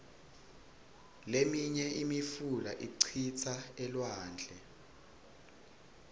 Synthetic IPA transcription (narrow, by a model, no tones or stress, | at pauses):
lemiɲɛʔimifulaʔiǀʰit͡sʰaɛlwaːnd͡ɮʱɛ